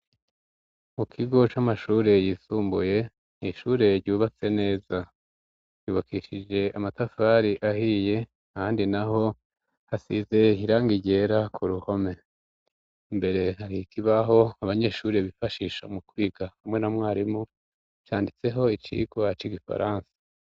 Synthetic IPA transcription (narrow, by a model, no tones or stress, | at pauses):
mukʰiɡo̞t͡ʃamaʃuːɾe̞jiːsuːmbuje̞ | iʃuːɾe̞ɾɟuːβat͡se̞ne̞ːza | ɾjuːβakiʃid͡ʒe̞amatafaɾiʔahiːje̞ | ahaːndinaɦo̞ | hasize̞iɾaːŋɡiɟe̞ɾakʰuɾuho̞me̞ | mbe̞ɾe̞haɾikʰiβaɦo̞aβaɲe̞ːʃuːɾeβifaʃiʃamukwiːɡahamŋe̞namŋaːɾimu | t͡ʃaːndit͡se̞ɦo̞it͡ʃḭɡwat͡ʃiɡifa̰ɾaːnsḁ